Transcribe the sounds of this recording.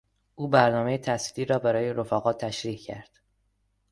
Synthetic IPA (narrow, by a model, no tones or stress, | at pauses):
ʔuːbæɾnɒːme̞jet̪ʰæsliːɾɒːbæɾɒːje̞ɾofæːɣɒːt̪ʰːæʃɾiːhcʰæ̰ɾd̪̥